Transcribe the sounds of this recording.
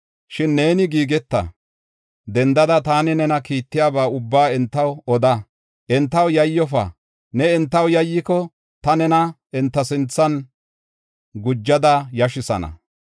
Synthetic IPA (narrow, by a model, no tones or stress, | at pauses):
ʃɪnːe̞ːnɪɡiːɡɛt̪ːɐ̰ | d̪ɛnd̪ɐd̪ɐt̪aːnɪnɛnɐkiːt̪ːɪjaːbaːʊbːaːɛnt̪ːɐwɔd̪ɐ | ʔɛnt̪ːɐwjɐjːɔfɐ̰ | nɛɛnt̪ːɐwjɐjːɪkɔ | t̪ɐnɛnɐ | ɛnt̪ːɐsɪnt͡sːɐn | ɡʊd͡ʒːɐd̪ɐjɐʃɪsɐ̰nɐ̰